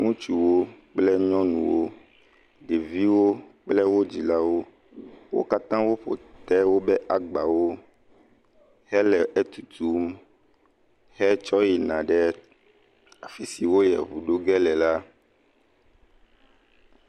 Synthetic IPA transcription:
ŋũ˦t͡ʃu˨wo˦k͡plɛ˦ɲɔ̃˦nũ˨wo˦ | ɖe˨vi˦wo˦k͡plɛ˦wo˦d͡ʑi˨la˦wo˦ | wo̰˦ka˦t̪ã˦wo˦ɸo̰˨t̪ɛ˦wo˦bɛ˦ʔa˨ɡ͡ba˨wo˦ | hɛ˦lɛ˨ɛ˦t̪u˨t̪u˦m | hɛ˦t͡ʃɔ˦ji˨nã˨ɖɛ˦ | a˨fi˦si˨wo˦jɛ̰˨βu˨ɖo˦ɡɛ˦lɛ˨la˦

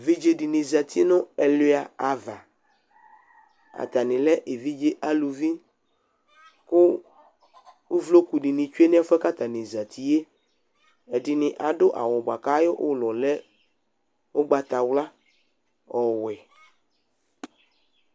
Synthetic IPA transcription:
vi˦d͡ʒe˦di˨nĩ˨za˨t̪ʰi˦nʊ̃˦ɛ˨lo˦a˨a˨va˨ | a̰˨t̪a˨nɪ̃˨lɛ˦ʔe˨vi˦d͡ʒe˦ʔa˦lu˨vi˦ | kʊ˦ | u˦vlo˦ku˨ɖi˨nĩ˨t͡ʃu˦e˦nĩ˦a˦fɛ˦ka˦t̪a˨nĩ˨za˨t̪ʰi˦je˦ | ɛ˨di˨nɪ̃˨ʔa˨ɖʊ˦ʔa̰˨wɔ˨bʷa˨ka˦jo˦ʔo˦lɔ˨lɛ˦ | wo˦ɡ͡ba˨t̪a˨wla˦ | ɔ˨wɛ˨

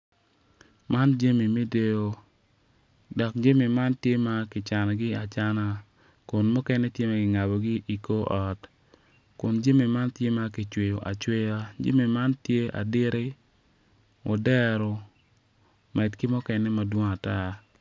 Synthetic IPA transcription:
ma˦nd͡ʒa˦mi˨mi˦de˦o˦ | dɔ˨k̚d͡ʒe˦mi˨ma˦ntje˦ma˦kɪ˨t͡ʃa˨na˨ɡɪ˦a˨t͡ʃa˦na˨ | kʊ˨nmʊ˦kɛ˦nɛ˦tje˦ma˨kɪ˨ŋa˨bo˨ɡi˦ʔi˨ko˦ʔɔ˨t | kʊ˨nd͡ʒe˦mi˨ma˦ntje˦ma˦ki˨t͡ʃwe˨jo˨ʔa˨t͡ʃwe˦ja˦d͡ʒḛ˦mi˨ma˦ntje˦a̰˨dɪ˦ɾe˦ | ʔo˨dɛ˦ɾo˨ | mɛ˨tkɪ˦mʊ˦kɛ˨nɛ˦ma˨dwo˦ŋa˨ta˦

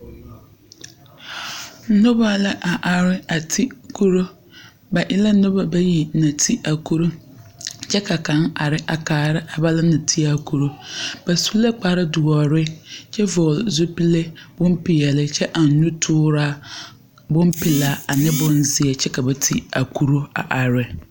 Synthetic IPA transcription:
n̩˦nʊ˦ba˦la˦ʔa˨ʔa˨ɾɪ˦a˨tʰi˦kʰu˦ɾo˦ | ba˨ʔɪ˦la˦nʊ˦ba˨ba˦ji˨nã˨tʰi˦ʔa˨kʰu˦ɾo˦ | t͡ʃʰɛ˦kʰa˨kã˨˦ŋa˨ɾɪ˦ʔa˨kaː˨ɾɪ˦ʔa˨ba˦la˦nã˨tʰi˦a˦kʰu˦ɾo˦b̥a˨su̥˦le˦k͡paː˨˦ɾɪ˦dʊ˨ɔ˨ɾɪ˦t͡ʃʰɛ˦vɔː˨lzʊ˦pi˦le˦b̥ʊ̃˦m˦pɪ˨ja˨lɪ˦t͡ʃʰɛ˦ʔa˨n̩˦nũ˦tʰʊː˦ɾa˦ | bʊ̃˦mpɪ˨la˨˦a˨nɪ˦bʊ̃˦nzɪ˦ɛ˨t͡ʃɛ˦ka˨bɛ˨tʰi˦a˨kʰu˦ɾo˦a̰˨ʔa˨ɾɪ˦

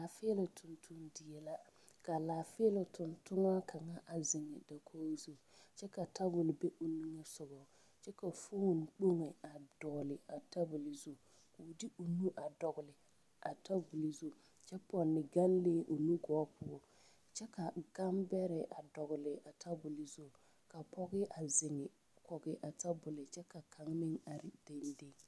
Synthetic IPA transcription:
la˨fe˦lɪ˨tʰʊ˨ntʰu˦ndɪ˨ɛ˨la˦ | ka˨laː˨fɪ˦lɪ˨tʊ˨ntʊ˦ŋa˦kʰa˨ŋa˦ʔa˨zɪ˨ŋɛ˨da˨kʰoː˦zo˨ | t͡ʃɛ˦ka˨ta˦bʊ˨lbɛ˦ʔu˨nu˦ŋɛ˦sʊ˨ɡɔ˨ | t͡ʃɛ˦ka˨fu˦˨n˨k͡po˦ŋe˨a˨dɔ˨lɪ˨a˨ta˦bʊ˨lɪ˨zo˦ | ku˨di˦u˨nũ˦ʔa˨dɔ˨ɡʊ˨lɪ˨ | ʔa˨ta˦bu˨li˨zo˦ | t͡ʃɛ˦pɔ˨nːɪ˨ɡa˦n˦le˦ʔu˨nu˦ɡɔ˨˦pʰʊ˦ɔ˨ | t͡ʃɛ˦ka˨ɡ̥a˦mbɛ˦ɾɛ˨ʔa˨dɔ˨ɣʊ˨lɪ˨ʔa˨tʰa˦bʊ˨li˨zo˦˨ | ka˨pʰɔ˦ɡɪ˦ʔa˨zɪ˨ŋɪ˨ | kɔ˨ɡɪ˨ʔa˨ta˦bʊ˨lɪ˨t͡ʃɛ˦ka˨kʰa˨ŋ˦nɪ˦ŋa˨ɾɪ˨de˦n˦de˦

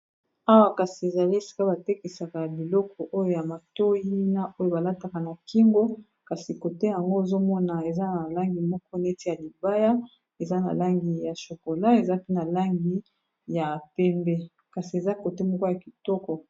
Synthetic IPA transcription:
a˦wa˦˨ka˨si˨e˨za˨li˦e˨si̥˨ka˦ba˨te˦ki˨sa˨ka˨jbi˨lɔ˦kʰɔ˨ʔo˦jo˦ja˨ma˨to˦ji˦na˦ʔo˦jo˦ba˨la˦ta˨ka˨na˨ki˦ŋɡo˦ | ka˨si˨ko˨te˦ja˨ŋɡo˦e˨zo˦mɔ˦na˨e˨za˦na˨la˦ŋɡi˨mɔ˦kɔ˦ne˦ti˦ja˨li˨ba˦ja˦ | e˨za˦na̰˨la˦ŋɡi˨ja˨ʃo˨ko˨la˦e˨za˦pe˦na˨la˦ŋɡi˦ | ja˨pɛ˦mbɛ˦ | ka˨si˨e˨za˦ko˨te˦mɔ˦kɔ˦ja˨ki˨tɔ˦kɔ˨

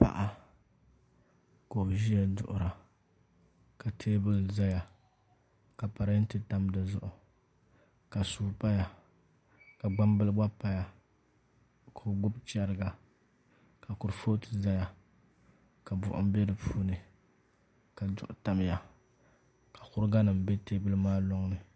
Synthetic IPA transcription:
pa̰˦ʔa˦ | ko˨ʒi˦ja˦dʊ̰˨ʔʊ˨ɾa˨ | ka˨tʰeː˦bɨ˦lza˦ja˨ | ka˨pa˨ɾa˦n˦tɨ˦ta˦mdɨ˨zʊ̰˦ʔʊ˨ | ka˨suː˨pa˦ja˨ | ka˨ɡ͡ba˦mbɨ˦lɨ˦ɡ͡ba˦pa˦ja˨ | kʰo˨ɡʊ˦bt͡ʃa˦ɾɨ˦ɡa˨ | ka˨kʊ˨ɾfoː˦tɨ˦za˦ja˨ | ka˨bʊ̰˨ʔʊ̰˨m˦bɛ˦dɨ˨pʰuː˦nɨ˨ | ka˨dʊ̰˦ʔʊ˨ta˦m˦ja˨ | kḁ˨kʊ˦ɾɡa˦nɨ˨m̩˨be˦teː˦bɨ˦lɨ˦maː˦lo˦ŋnɨ˨

